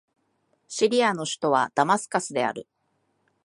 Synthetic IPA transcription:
ɕiɾʲiano̞ɕi̥t̪o̞β̞a̰d̪̥amasɨ̥kasɨd̪e̞a̰ɾɯ̟

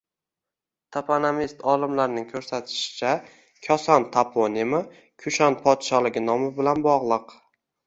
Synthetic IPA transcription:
t̪ʰapʰanamist̪ʰɒlˠɪmlaɾnɪŋkʰɵɾsat̪ʰɪ̥ʃɪ̥t͡ʃʰa | kʲʰɒsɒnt̪ʰapʰonimɪ | kʲʰʊʃanpʰɒt̪ʃɒlɪɡʲɪnɒmɪbɪlanbɒʁlˠɨq

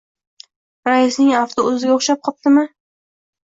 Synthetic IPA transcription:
ɾaɪsnɪŋaft̪ʰoɵzɪɡʲaoχʃap̚qʰɒp̚t̪ɪmɪ

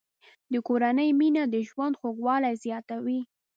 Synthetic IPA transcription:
d̪əkoɾanəjminad̪əʒwand̪xoɡwɑlajzjɑt̪awi

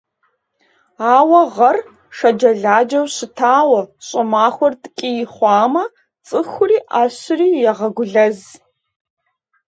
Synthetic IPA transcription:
aːwɐʁɐr | ʂɐd͡ʒɐɮaːd͡ʒɐwɕɪtʰaːwɐɕʼɨmaːxʷɔrtʼkʼijɪχʷɑːmɐ | t͡sʼɨxʷʊriːʔaːɕɪriːjɛʁɐɡʷʊɮɐz

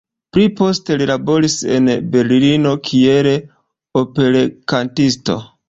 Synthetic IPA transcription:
pɾipo̞ste̞lilabo̞ɾise̞̰nbe̞ɾlilino̞kʰieɾe | ope̞ɾekantisto̞̰

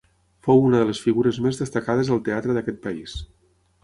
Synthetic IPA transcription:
fowunəðələsfiɣuɾəzmezðəst̪əkað̞əzəlˠt̪eat̪ɾəðəkɛt̪̚pəis

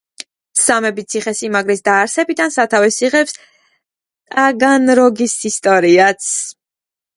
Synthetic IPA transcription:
samɛbit̪sʰiχɛsimaɡɾisd̪aːɾsɛbid̪ansat̪ʰavɛsiʁɛps | t̪ʼaɡanɾɔɡisist̪ʼɔɾiat̪sʰ

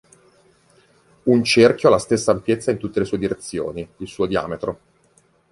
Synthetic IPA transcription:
unt͡ʃerkjoalast̪esːaːmpjet̪sːaint̪ut̪ːelesuːed̪iɾet̪sːjo̰ːniilsuːod̪ia̰ːmet̪ɾo

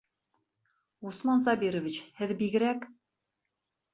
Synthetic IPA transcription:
usmɑnzɑbiɾŏvʲit͡ɕhɘðbiɡɘ̆ɾæk

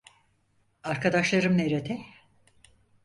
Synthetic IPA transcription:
aɾkʰad̪aʃlˠaɾɯmneɾet̪ʰɛ

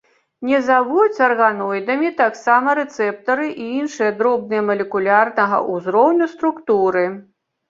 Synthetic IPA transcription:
nʲɛzavut͡sʲɐrɣanɔjd̪ɐmʲit̪aksamɐɾɛt̪sɛp̚t̪ɐɾɨʔiinʂɨjɐd̪ɾɔb̚nɨjɛmɐlʲɛkulʲarnɐɣɐ̰ʔuzɾɔwnʲust̪ɾukt̪uɾɨ

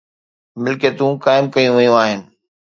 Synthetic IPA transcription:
mɪlket̪ũːkaːɪmkɐijũʋɐjũaːɦɪnɪ̆

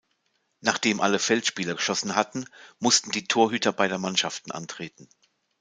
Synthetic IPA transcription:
naːχd̥eːmʔaləfɛltʃpiːlɐɡəʃɔsn̩ɦatn̩mʊstn̩diːtʰoːɐɦyːtʰɐbaɪdeɐmanʃaftn̩ʔa̰ntʁ̥eːtn̩

